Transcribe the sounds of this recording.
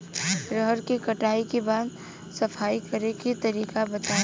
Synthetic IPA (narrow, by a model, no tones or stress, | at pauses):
ɾəɦɾkikɐʈaːikebaːd̪ | sɐpʰaːikɐɾekit̪ɐɾiːkabɐt̪aː